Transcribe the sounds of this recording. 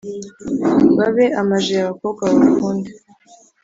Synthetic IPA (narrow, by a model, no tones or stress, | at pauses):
βaβe̞ʔamaʒejaβakoːβɡaβaɾukuːnde̥